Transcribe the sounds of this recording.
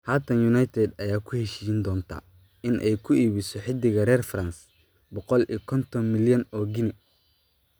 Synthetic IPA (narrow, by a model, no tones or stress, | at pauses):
haːt̪ʰɐnjʊnajt̪ʰɛd̪ɐjaːkʰʊhɛʃiːjɪnd̪ɔːnt̪ʰa̰ː | ɪnʔɛjkʰʊiːβɪsɔħɪd̪ːɪɣɐɾɛːrfrɐns | bɔqɔlḭːkʰɔnt̪ʰɔnmɪljɐnɔːɡɪnɛ